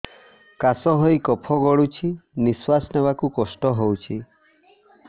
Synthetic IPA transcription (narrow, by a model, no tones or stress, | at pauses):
kasɔɦɔjkɔpʰɔɡɔɭut͡ʃʰiniswasnebakukɔsʈɔɦowt͡ʃʰi